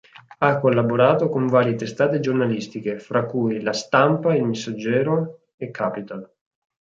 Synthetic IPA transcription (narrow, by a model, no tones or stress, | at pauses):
akːolːaboɾaːt̪okoɱvaːɾjet̪est̪aːt̪ed͡ʒornalist̪ikefɾakːujlast̪ampailmesːad͡ʒːɛːɾo | ekʰːaːpit̪al